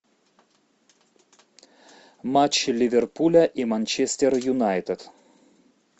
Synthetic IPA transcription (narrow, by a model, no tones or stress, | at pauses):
mat͡ʃlʲivʲerpulʲɐʔimanʲt͡ʃest̪ʲerjunajt̪ʲet̪